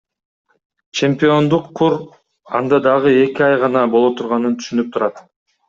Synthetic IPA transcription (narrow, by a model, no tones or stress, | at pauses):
t͡ʃʰe̞mʲpʲio̞nd̪uqʰːuɾ | ɑnd̪ɑd̪ɑʁɯe̞kiɑjʁɑnɑbo̞lˠot̪ʰuɾʁɑnɯnt̪ʰy̥ʃynyp̚t̪ʰuɾɑt̪